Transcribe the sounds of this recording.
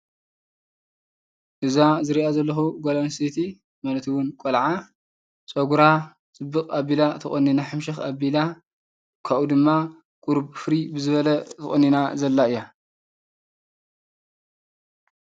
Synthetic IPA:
ʔɨzazɨɾiʔazɐlːɐxuɡolansit̪ʰi | malɐt̪ʰiwʊnkʼolʕa | t͡sʼoɡuɾa | t͡sʼɨbːɨqʼabːilat̪ʰɨχʼɐnːinaħɨmʃɐxabila | kʰaʔud̪ɨmːa | kʼuɾbfɨɾibɨzɨβɐlɐt̪ʰɨχʼonːinazɐlːaɨjːa

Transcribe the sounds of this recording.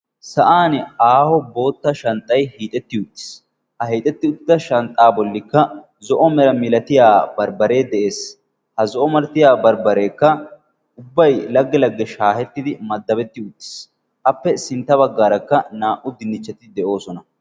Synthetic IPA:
sɐʔaːnaːhɔbo̞ːt̪ːɐʃɐnt̪ʼːɐjhiːt̪ʼɛt̪ːɪʊt̪ʼːɪ̥s | hɐɦiːt̪ʼɛt̪ːɪʊt̪ːɪd̪ɐʃɐnt̪ʼːaːbɔlːɪkːɐ | zɔʔɔmɛɾɐmɪlɐt̪ɪjaːbɐɾbɐɾe̞ːd̪ɛʔe̞ːs | hɐzɔʔɔmɐɾt̪ɪjaːbɐɾbɐɾe̞ːkːɐ | ʊbːɐjlɐɡːɛlɐɡːɛʃaːhɛt̪ːɪd̪ɪmɐd̪ːɐbɛt̪ːɪʊt̪ːɪ̥s | ʔɐpːɛsɪnt̪ːɐβɐɡːaːɾɐkːɐnaːʔʊd̪ɪnːɪt͡ʃːɐt̪ɪd̪ɛʔo̞ːsɔnɐ

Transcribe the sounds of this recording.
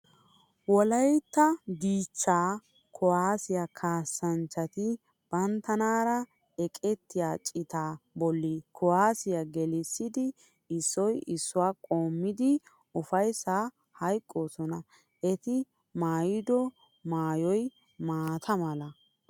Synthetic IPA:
wɔlɐjt̪ːɐɡiːt͡ʃːaː | kʰɔwaːsɪjakʰaːsːɐnt͡ʃːɐt̪ɪ | b̥ɐnt̪ːɐnaːɾɐ | ɛkʼɛt̪ːɪjaːt͡ʃʼɪt̪aːbɔlːikʰɔwaːsɪjaɡɛlɪsːɪd̪ɪ | ɪsːɔjɪsːʊwaːkʼoːmːɪd̪ɪ | ʊfɐjsːaː | hɐjkʼːoːsɔnɐ | ɛt̪ɪ | maːjɪd̪ɔ | maːjɔj | maːt̪ʰɐmɐlɐ

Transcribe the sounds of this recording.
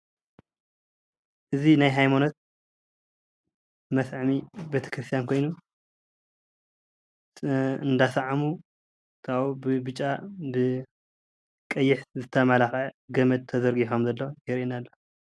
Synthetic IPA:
ʔɨzinajɦajmano̞t̪̚ | mɐsʕmibet̪ʰɐ̥kɾɨst̪ʰijankʰo̞jnu | ɨnd̪asaʕamu | t̪ʰaubɨbɨt͡ʃʼːabɨ | kʼɐjːɪħzɨt̪ʰɐmalaxaɡɐmɐd̪̚t̪ʰːɐzɐɾɡiħo̞mzɐlːojɛɾiinalːo

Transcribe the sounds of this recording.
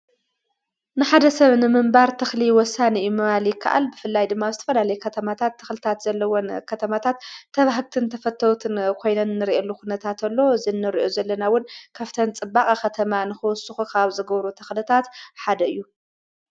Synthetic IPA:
nɨħad̪ɐsɐβnɨmɨmbaɾt̪ʰɨxliwɔsːaniɨjːumɨβaljɪkʰːa̰ʔa̰lbɨfɨlːajd̪ɨmːazɨt̪ʰɐ̥fɐlalɐjkʰɐt̪ʰɐmat̪ʰat̪ʰːɨ̥xlɨt̪ʰat̪zɐlːɐwonkʰɐt̪ʰɐmat̪ʰat̪ʰːɐβaɦɨβt̪ʰɨnt̪ʰɐfɐt̪ʰːɐwt̪ʰɨnkʰo̞jnɐnɨnːɨɾiʔɐlːukunɐt̪ʰat̪ɐlːo̞zɨnːɨɾiʔo̞zɐlːɐnawʊnkʰaft̪ʰɐnt͡sʼɨbːakʼaxɐt̪ʰɐmanɨxɨwɔsuxukʰaβzɨɡɐβɾut̪ʰɨxlɨt̪ʰat̪ħad̪ɐɨjːu

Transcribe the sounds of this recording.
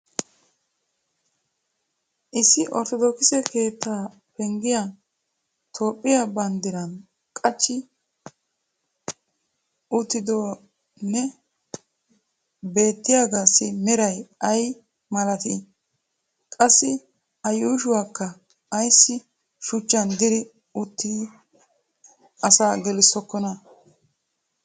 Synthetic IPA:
ʔɪsːɪʔɔ̰ɾt̪ɔd̪oːkɪsɛkʰe̞ːt̪ʰːaː | pɛŋɡɪja | t̪ʰo̞ːpʼːɪjabɐnd̪ɪɾɐn | kʼɐt͡ʃːɪ | ʔʊt̪ːɪd̪ɔ | nɛ | be̞ːt̪ːɪjaɡaːsɪmɛɾɐjɐj | mɐlɐt̪ɪ | kʼɐsːɪ | ɐjuːʃʊwaːkːɐː | jsːɪ | ʃʊt͡ʃːɐnd̪ɪɾɪ | ʊt̪ːi | ɐsaːɡɛlɪsːɔkːɔnɐ

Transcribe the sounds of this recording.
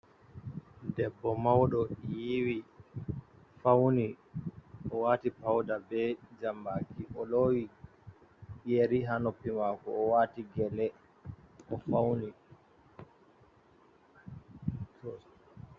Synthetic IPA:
dɛbːɔmawɗɔjiwi | fawni | ʔɔwaːtipawdabɛd͡ʒambaːkiʔɔloːwi | jeɾiɦanɔpːimakɔːwaːtiɡɛlɛ | ʔɔfawni

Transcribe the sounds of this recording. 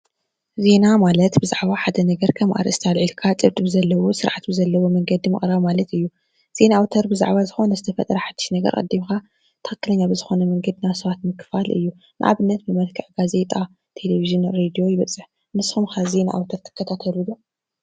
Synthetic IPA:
ze̞namalɐt̪bɨzaʕβaħad̪ɐnɐɡɐɾkʰɐmʔa̰ɾʔɨ̰st̪ʰalʕilkʰat͡sʼɨβt̪ʼbɨzɐlːɐwo̞sɨɾʕat̪bɨzɐlːɐwo̞mɐŋɡɐd̪imɨ̰χʼɾaβmalɐt̪ɨjːu | z̥e̞naawt̪ʰɐɾbɨza̰ʕβazɨxo̞nɐzɨt̪ʰɐfɐt̪ʼɾɐħad̪̥i̥ʃnɐɡɐ̰ɾkʼɐ̰d̪ːimka | t̪ʰɐ̥xɨ̥kːɨlɐɲːabɨzɨxo̞nɐmɐŋɡɐd̪ɨnasɐβat̪mɨkʰːɨfalʔɨ̰jːu | nɨ̰ʔa̰βɨnːɐt̪bɨmɐlkʰɨʕɡaze̞t̪ʼa | t̪ʰe̞leviʒɨnɾed̪io̞jɪβɐt͡sʼːɨħ | nɨsxumxaze̞na̰ʔa̰wt̪ʰɐɾt̪ʰɨ̥kʰːɐt̪ʰat̪ʰɐluju

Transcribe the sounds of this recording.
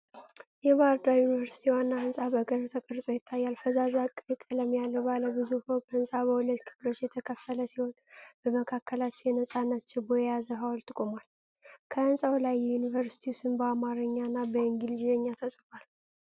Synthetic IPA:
jɛbaɾd̪aɾjunivəɾsi̥t̪ʰiwanːaɨnsʼabəɡəɾt̪ʰəkʼəɾsʼo̞jɪt̪ʰːajːalfəzazakʼːɨjɨkʼːələmjalːəwbaləbɨzufokʰəɨnsʼabəhulət̪kʰɨ̥flo̞t͡ʃːjɛt̪ʰəkʰəfːələsiho̞nb̥əməkʰakʰːəlat͡ʃːɪnjɛnəsʼanːət̪t͡ʃɪboɛjazəɦawlt̪ʼɨkʼomal | kʰəɨnsʼawlajːɛjunivəɾsi̥t̪ʰiusɨnbəamaɾɨɲːanːabəɨŋɡild͡ʒzəɲːat̪ʰəsʼfal

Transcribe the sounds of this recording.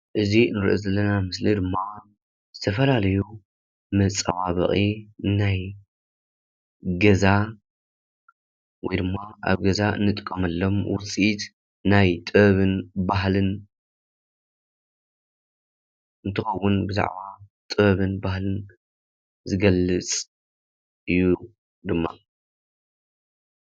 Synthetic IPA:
ʔɨzinɨɾʔozɐlːɐnamɨslid̪ɨmːa | zɨt̪ʰɐfɐlalɐju | mɐt͡sʼːɐ̰waβɐ̰χʼinaj | ɡɐza | wɔjd̪ɨmːaʔa̰βɡɐzaɨ̰nːɨt̪ʼɨ̥kʼːɐmɐlːo̞mwʊt͡sʼit̪ | najt̪ʼɨɐβɨnbaɦlɨn | ɨnt̪ʰɨxɐwːʊnbɨza̰ʕbat̪ʼɨβɐβɨnbahlɨn | zɨɡɐlɨt͡sʼ | ɨjːu | d̪ɨmːa̰

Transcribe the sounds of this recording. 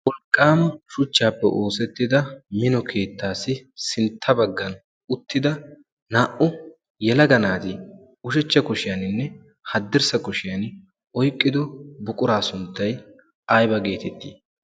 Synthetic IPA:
wɔlkʼːaːmɐʃʊt͡ʃːaːpːɛ̰ʔo̞ːsɛt̪ːɪd̪ɐmɪnɔkʰe̞ːt̪ːaːsɪsɪnt̪ʰːɐbɐɡːɐn | ʊt̪ːɪd̪ɐ | naːʔʊ | jɛlɐɡɐnaːt̪ɪ | ʊʃɛt͡ʃːɐkʊʃɪjɐnɪnːɛ | hɐd̪ːɪɾsɐkʊʃɪjɐn | ɔjkʼːɪd̪ɔbʊkʼʊɾaːsʊnt̪ːɐj | ʔɐjbɐɡe̞ːt̪ɛt̪ːḭː

